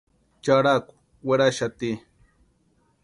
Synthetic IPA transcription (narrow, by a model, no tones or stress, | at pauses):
t͡ʃaɾakʊ̥ | weɾaʃat̪i